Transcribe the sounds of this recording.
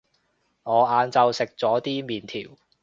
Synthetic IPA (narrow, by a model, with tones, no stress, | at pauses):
ŋɔː˨˧aː˨˧nt͡sɐ˨˧wsɪ˨k̚t͡sɔː˨˥t̪iː˥miː˨nt̪ʰḭː˨˩w